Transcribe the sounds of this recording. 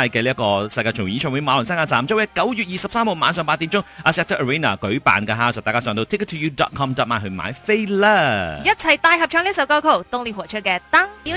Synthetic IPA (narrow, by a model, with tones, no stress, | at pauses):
aː˧jkɛː˧liː˥ɐ˥kɔː˧sɐ˧jkaː˧t͡ʃʰʊ˨˩ŋ˨jiː˨˥t͡ʃʰœː˧˩we˨˥jmaː˨˧lʊ˨˩saː˥ŋaː˧˩t͡saː˨˩mt͡sːwjɐ˥kɐ˨˥wjyː˨t̚jiː˨˩sɐ˨p̚saː˥mho˨˧wmaː˨˧˥nsœː˨ŋpaː˧t̪̚iː˨˥mt͡sʊ˥ŋʔaː˧sɛː˧˥t̪ʰə˥ʔə˨˩ɹiː˥na̰ː˨˩kɵ˨˥ɥpa̰ː˨nkaː˧ɦaː˧wsɔː˨˩t̪aː˨˩kaː˥sœː˨˧ŋt̪o˧t̪ʰi˥ktʰːuː˨˧juː˧dɔ̰ː˨˩t̚kʰɔː˥mt̪ɔː˧˩maː˧˥ɦɵ˧ma̰ː˨˧˥jfe˥jlaː˧˥jɐ˥t̚t͡sʰɐ˨jt̪aː˧jɦɐ˨p̚t͡ʃʰœː˧˥ŋli˥s̬ɐ˧˥wkaː˧wkʰo˨˩wt̪ʊ˧ŋli˨˧wɔ˨˩t͡ʃʰə˥kɛː˧t̪aː˥ŋi˨˥